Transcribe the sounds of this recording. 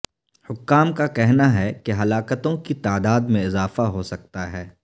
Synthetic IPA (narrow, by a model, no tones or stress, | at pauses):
hʊkːaːmkakɛɦnaɦɛkeɦɐlaːkət̪õkit̪aːd̪aːd̪mẽɪzaːfaɦosɐk̚t̪aɦɛː